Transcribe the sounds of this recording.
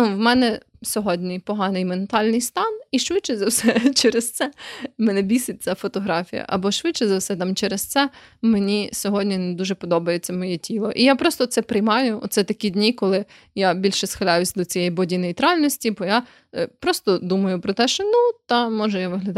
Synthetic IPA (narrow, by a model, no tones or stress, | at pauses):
nuʋmɛnɛ | sʲɔɦɔdʲnʲipɔɦɑnɪjment̪ɑlʲnɪjst̪ɑniʃʋɪt̚t͡ʃɛzɐwsɛt͡ʃɛɾest̪sɛmɛnɛbʲisɪt̚ʲt͡sʲːafɔt̪ɔɦɾɑfʲḭjɐ̰ʔɐbɔʃʋɪt̪t͡ʃɛzɐwsɛt̪ɑmt͡ʃɛɾest̪sɛmenʲisʲɔɦɔdʲnʲined̪uʒɛpɔd̪ɔbɐjet͡sʲːɐmɔjɛtʲʰilˠɔʔijapɾɔst̪ɔt̪sɛpɾɪjmɑjʊɔ̰t̪sɛt̪ɐkʲidʲnʲikɔlˠɪ | jabʲilʲʃɛsxɐlʲajʊsʲd̪ɔt͡sʲijɛjibɔdʲinejt̪ɾɑlʲnɔsʲtʲibɔja | pɾɔst̪ɔd̪umɐjʊpɾɔt̪ɛʃt͡ʃɔnut̪ɐmɔʒɛjaʋɪɦlʲɐd̪